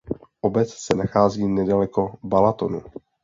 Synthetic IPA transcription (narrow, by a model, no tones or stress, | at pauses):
ʔobɛt͡ssɛnaxaːziːnɛdalɛko̞balat̪o̞nu